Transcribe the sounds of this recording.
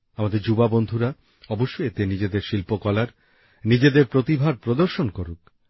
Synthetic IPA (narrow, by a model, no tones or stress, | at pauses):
amad̪eɾd͡ʑubabond̪ʱuɾa | ɔboʃːoet̪enid͡ʑed̪eɾʃilpokɔlaɾ | nid͡ʑed̪eɾpɾot̪ibʱaɾpɾod̪oɾʃonkoɾuk